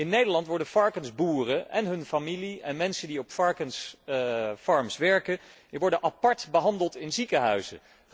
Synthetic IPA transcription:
ɪnːejdəɹlɑntʋɔɹdəfɑɹkənzbuːrəʔɛ̰nɦɵnfamiliɛnmɛnsəndiɔpfɑɹkəns | fɑɹmsʋɛɹkə | ʋɔɹdənʔɑpɑɹtbəɦɑndəlˠtɪnzikəɦœ̰ɥzə̰

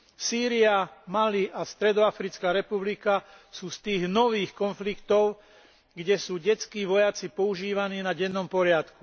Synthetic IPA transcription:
siːɾiamaliʔast̪ɾɛd̪ɔafɾit͡skaːɾɛpublika | suːst̪iːɣnɔʋiːxkɔnflikt̪ɔʊ | ɡɟɛsuːɟɛt͡skiːʋɔjat͡sipɔuʒiːʋaniːnaɟɛnːɔmpɔɾɪat̪ku

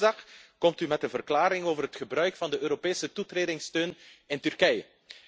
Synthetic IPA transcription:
ɑxkɔmtymɛtənvərklaːɾɪŋoːvərɦətxəbrœɥkfɑndəøːɾopeːsətutreːdɪŋstøːnɪntyrkɛjə

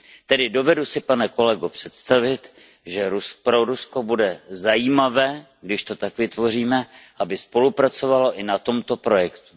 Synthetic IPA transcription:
t̪ɛdɪdo̞vɛdusɪpanɛko̞lɛɡopr̥ɛt̪st̪avɪt̪ | ʒɛɾuspɾoɾusko̞budɛzajiːmavɛː | ɡdɪʃt̪o̞t̪akvɪt̪vo̞r̝iːmɛʔabɪspo̞lupɾat͡so̞valo̞ʔɪnat̪o̞mt̪o̞pɾo̞jɛkt̪u̥

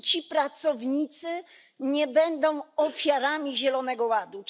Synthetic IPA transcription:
t͡ɕipɾat̪sɔvɲit̪sɘ | ɲɛbɛnd̪ɔ̃w̃ɔfʲjaɾamʲiʑɛlɔnɛɡɔwad̪u

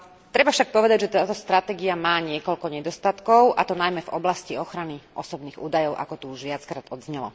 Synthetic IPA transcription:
t̪ɾɛbafʃak̚pɔʋɛd̪aɟʒɛt̪aːt̪ɔst̪ɾat̪ɛːɡiamaːɲɪɛkɔʎkɔɲɛd̪ɔst̪at̪kɔʊʔa̰t̪ɔnajmɛvɔblasciɔxɾaniʔɔsɔbniːɣuːd̪ajɔʊʔa̰kɔt̪uuʒʋɪat͡skɾaːd̪ɔd̪zɲɛlɔ̰

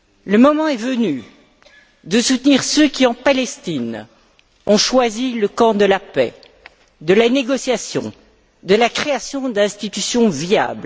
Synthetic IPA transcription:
ləmɔmɑ̃ɛvəny | d̪əsut̪niʁsøkʲiɑ̃palɛst̪in | ɔ̃ʃwaziləkɑ̃d̪əlapɛ | d̪əlaneɡɔsjasjɔ̰̃ | d̪əlakχeasjɔ̃d̪ɛ̃st̪it̪ysjɔ̃via̰bl

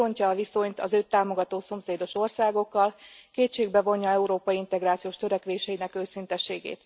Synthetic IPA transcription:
oɲcɒːviso̞ɲt̪ɒ̰zøːt̪aːmo̞ɡɒt̪oːso̞mseːd̪o̞ʃo̞rsaːɡo̞kːɒlkeːt͡ʃːeːɡbɛvo̞ɲːjɒɛuɾoːpɒjiint̪ɛɡɾaːt̪sijoːʃt̪ø̞ɾɛkʋeːʃɛjinɛkøːsint̪ɛʃeːɡḛːt̪

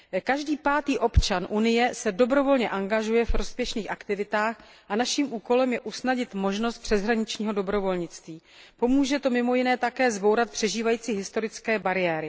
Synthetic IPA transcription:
kaʒdiːpaːt̪iːʔo̞pt͡ʃanʔunɪjɛsɛdo̞bɾo̞vo̞lɲɛʔaŋɡaʒujɛfɾo̞spjɛʃniːxʔakt̪ɪvɪt̪aːx | ʔanaʃiːmʔuːko̞lɛmjɛʔusnaɟɪt̪mo̞ʒnost̪̚pr̝̥ɛzɦɾaɲɪt͡ʃɲiːɦo̞do̞bɾo̞vo̞lɲɪt͡st̪viː | po̞muːʒɛt̪o̞mɪmo̞jɪnɛːt̪akɛːzbowɾat̪̚pr̥ɛʒiːvajiːt͡siːɦɪst̪o̞ɾɪt͡skɛːbaɾɪjɛːɾɪ

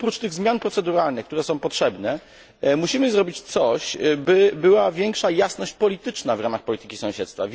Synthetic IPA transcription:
pɾut͡ʂt̪ɘɣzmʲjanpɾɔt̪sɛd̪uɾalnɘxkt̪uɾɛsɔ̃w̃pɔtʂɛbnɛ | muɕimɘzɾɔbʲit͡ɕt̪sɔɕbɘbɘwavʲjɛŋkʂajasnɔɕt͡ɕpɔlʲit̪ɘt͡ʂnavɾamaxpɔlʲit̪ɘ̥kʲi̥sɔ̃w̃ɕɛt̪st̪fa̰vʲ

